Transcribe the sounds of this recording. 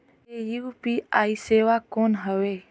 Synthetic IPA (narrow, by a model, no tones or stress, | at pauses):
ejupiːaːiseːʋakoːnɦəʋeː